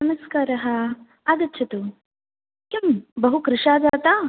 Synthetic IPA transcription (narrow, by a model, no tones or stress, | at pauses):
nɐmɐskaːɾɐɦɐ | aːd̪ɐtːt͡ʃʰɐt̪u | kɐmbɐɦukɾɪʂaːd̪aːt̪aː